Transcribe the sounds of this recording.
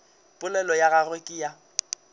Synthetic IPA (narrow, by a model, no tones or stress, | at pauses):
pʼʊlɛlɔjaɣarwekʼɪja